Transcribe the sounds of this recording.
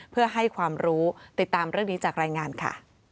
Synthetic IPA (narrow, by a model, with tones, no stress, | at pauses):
pʰɯ˥˩ɐɦa˥˩jkʰwaː˧mɾuː˦˥t̪i˨˩t̪ːaː˧mɾɯ˥˩əŋniː˦˥t͡ɕaː˨˩k̚ɾaː˧jŋaː˧nkʰa̰˥˩